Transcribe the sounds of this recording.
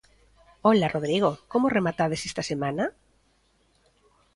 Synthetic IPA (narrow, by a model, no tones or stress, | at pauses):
olaroð̞ɾiɣ̞okomoremat̪að̞esest̪asemana